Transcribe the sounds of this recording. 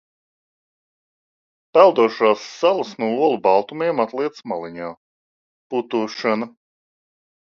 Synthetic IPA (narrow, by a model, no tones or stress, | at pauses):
pælˠd̪uɔʃaːsːalˠasnuɔuɔlˠubɑlˠt̪umiɛmat̪lˠiɛt̪smalˠiɲaː | put̪uːʃana